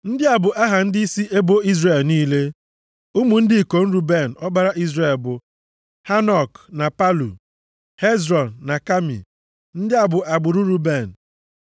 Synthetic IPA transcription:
n̩˦dɪ˦a˨bʊ˨ʔa˦ɦa˨n̩˦dɪ˦i˦si˦ʔe˦bo˦i˦zre˨lniː˦le˦ | u˦mu˨n̩˦dɪ˦i˨ko˨n̩˦ɾu˦be˦˨n̩˨ɔ˦ɡ͡ba˦ɾa˦ʔi˦zre˨lbʊ˨ | ha˦nɔ˨kna˨pa˦lṵ˨ | he˦zɾɔ˨n̩ːa˨ka˦mḭ˨ | n̩˦dɪ˦a˨bʊ˨ʔa˨ɡ͡bʊ˨ɾu˦ɾu˦be˨n̩˨

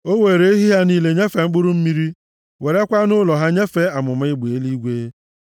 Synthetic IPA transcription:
o˦we˨ɾe˦i˦ɦi˦ɦa˦niː˦le˨ɲe˦fe˨ŋ͡m̩˦k͡pʊ˦ɾʊ˦m̩˦mi˦ɾi˦ | we˨ɾe˦kʷa˦nʊ˦lɔ˨ɦa˦ɲe˦fe˦a˨mʊ˨m˦ɪ˦ɡ͡be˨˦li˦ɡʷe˦

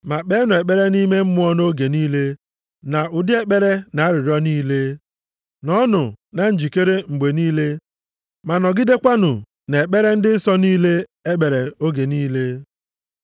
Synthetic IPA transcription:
ma˨k͡pe˦nʊ˨e˨k͡pe˦ɾe˦ni˦me˦m̩˦mʊ˦ɔ˦no˦ɡe˨niː˦le˦ | na˨ʊ˨dɪ˦e˦k͡pe˦ɾe˦na˨a˦ɾɪ˨ɾɔ˦niː˦le˦ | nɔ˦nʊ̰˨na˨n̩˦d͡ʒi˨ke˦ɾe˦ŋ͡m̩˨ɡ͡be˨niː˦le˦ | ma˨nɔ˨ɡɪ˦de˦kʷa˦nʊ˨ | ne˨e˨k͡pe˦ɾe˦n̩˦dɪ˦n̩˦sɔ˦niː˦le˦e˦k͡pe˨ɾe˨o˦ɡe˨niː˦le˦

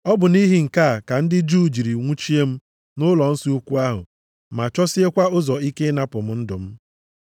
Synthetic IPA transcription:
ɔ˦bʊ˨ni˦ɦi˨ŋ̩˨ka˦˨ka˨n̩˦dɪ˦d͡ʒuː˦˨d͡ʒi˨ɾi˨ŋʷu˦t͡ʃi˦e˦m̩˦ | nʊ˦lɔ˨n̩˦si˦u˦kʷu˦a˦ɦʊ̰˨ | ma˨t͡ʃɔ˦sɪ˦e˦kʷa˦ʊ˦zɔ˨i˦ke˦na˦pʊ˨m̩˦n̩˦dʊ˨m̩˦

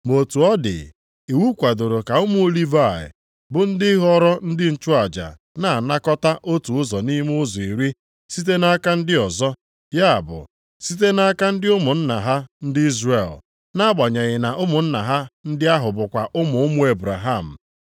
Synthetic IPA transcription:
mo˨tu˨ɔ˦dɪ̰˨ | i˨wu˦kʷa˨do˨ɾo˨ka˨ʊ˦mʊ˦li˦va˦˨ɪ̰˨ | bʊ˨n̩˦dɪ˦ɦɔ˦ɾɔ˦n̩˦dɪ˦n̩˨t͡ʃʊ˦a˨d͡ʒa̰˨ | na˨na˦kɔ˦ta˦ʔo˦tu˨ʊ˦zɔ˨ni˦m˦ʊ˦zɔ˨i˨ɾi˦ | si˦t̬e˦na˦ka˦n̩˦dɪ˦ɔ˨zɔ˦ | ja˦a̰˨bʊ̰˨ | si˦t̬e˦na˦a˦ka˦n̩˦dɪ˦ʊ˦mʊ˨n̩˦na˨ɦa˦n̩˦dɪ˦i˦zre˨l | na˦a˦ɡ͡ba˨ɲe˨ɣɪ˨na˨ʔʊ˦mʊ˨n̩˦na˨ɦa˦n̩˦dɪ˦a˦ɦʊ˨bʊ˨kʷa˨ʔʊ˦mʊ˨ʊ˦mʊ˦e˦bɾa˨ɦa˦˨m̩˨

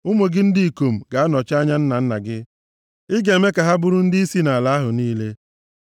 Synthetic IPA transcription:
ʊ˦mo˨ɡɪ˦n̩˦dɪ˦i˨ko˨m̩˨ɡa˨a˦nɔ˨t͡ʃa˦ɲa˦n̩˦na˨n̩˦na˨ɡɪ˦ | ɪ˦ɡe˨me˦ka˨ɦa˦bʊ˦ɾʊ˦n̩˦dɪ˦i˦si˦na˨la˦ɦʊ˨niː˦le˦

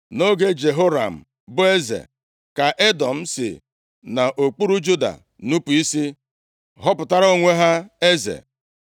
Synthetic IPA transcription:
no˦ɡe˦d͡ʒe˨ɦo˦ɾa̰˨m̩˨ | bʊ˦e˦zḛ˨ | ka˨ʔe˦dɔ˨m̩˦sɪ̰˨ | na˨ʔo˨k͡pu˦ɾu˦d͡ʒu˦da̰˨ | nu˦pu˨i˦si˦ | ɦɔ˦pʊ˨ta˦ɾo˦ŋʷe˦ɦa˦e˦zḛ˨

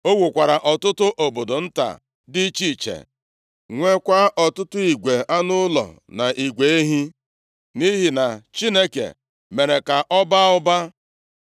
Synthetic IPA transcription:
o˦wu˨kʷa˨ɾa˨ʔɔ˨tʊ˦tʊ˦ʔo˨bo˨do˨n̩˦ta̰˨ | dɪ˦t͡ʃi˦˨t͡ʃḛ˨ | ŋʷe˦kʷa˦ʔɔ˨tʊ˦tʊ˦i˨ɡʷe˨a˦nʊ˦lɔ̰˨na˨ʔi˨ɡʷe˨e˦ɦi˦ | ni˦ɦi˨na˨t͡ʃi˦ne˦kḛ˨ | me˨ɾe˨ka˨ʔɔ˦ba˦ʊ˦ba˦

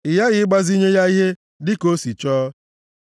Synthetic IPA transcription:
ɪ˨ja˦ɣɪ˨ɪ˦ɡ͡ba˦zi˦ɲe˦ja˦i˦ɦe˦ | dɪ˦ko˦si˨t͡ʃɔː˦

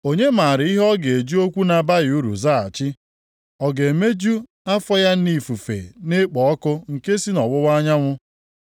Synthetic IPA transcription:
o˦ɲe˦ma˨ɾɪ˨i˦ɦɔ˦ɡe˨e˨d͡ʒu˦o˦kʷu˦na˨ba˦jɪ˨u˦ɾṵ˨za˦˨a̰˨t͡ʃɪ˦ | ɔ˨ɡe˨me˦d͡ʒu˦ | a˦fɔ˦ja˦n̩˦ni˦˨fu˨fḛ˨ne˦k͡pɔ˨ɔ˦kʊ˦ŋ̩˨ke˦si˦nɔ˨wʊ˦wa˦ɲa˦ŋʷʊ˦

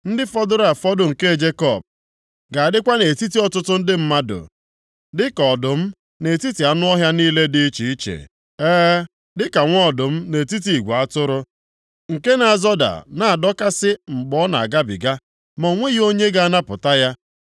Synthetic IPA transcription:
n̩˦dɪ˦fɔ˦dʊ˦ɾa˨fɔ˦dʊ˨ŋ̩˨ke˦˨d͡ʒe˦kɔ˦˨b̚ | ɡa˨a˨dɪ˦kʷa˦ne˨ti˦ti˨ɔ˦tʊ˦tʊ˦n̩˦dɪ˦m̩˦ma˦dʊ̰˨ | dɪ˦kɔ˨dʊ˨m̩˦ | ne˨ti˦ti˨a˦nʊ˦ɔ˦ɦja˦niː˦le˦di˦i˦t͡ʃi˨i˦t͡ʃḛ˨ | ɛː˦ | dɪ˦ka˨ŋʷ˦ɔ˦˨dʊ˨m̩˦ne˨ti˦t̬i˨i˨ɡʷa˦tʊ˦ɾʊ˦ | ŋ̩˨ke˦na˨zɔ˦da̰˨na˨a˨dɔ˦ka˦sɪ˦ŋ͡m̩˨ɡ͡bɔ˦na˨a̰˨ɡa˦bḭ˨ɡa˦ | mɔ˨ŋʷe˦ji˦o˦ɲe˦ɡa˦a˦na˦pʊ˨ta˦ja˦

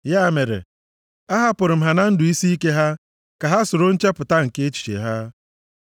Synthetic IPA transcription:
ja˦˨me˨ɾḛ˨ | a˦ɦa˦pʊ˨ɾʊ˨m̩˦˨ɦa˨na˦n̩˦dʊ˨i˦si˦i˦ke˦ɦa˦ | ka˨ɦa˦sʊ˨ɾo˦n̩˦t͡ʃe˦pʊ˨ta˦ŋ̩˨ke˦e˦t͡ʃi̥˨t͡ʃḛ˨ɦa˦

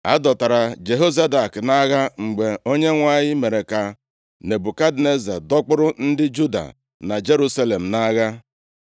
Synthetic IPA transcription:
a̰˦dɔ˨ta˨ɾa˨d͡ʒe˨ɦo˦za˦da˨kna˦ɣa˦ŋ͡m̩˨ɡ͡be˨o˦ɲe˦ŋʷa˦ɲɪ˦me˨ɾe˨ka˨ | ne˨bu˨ka˦dne˦za̰˨dɔ˦k͡pʊ˦ɾʊ˦n̩˦dɪ˦d͡ʒu˦da̰˨ | na˨d͡ʒe˦ɾu˦sa˦le˨m̩˨na˦ɣa˦

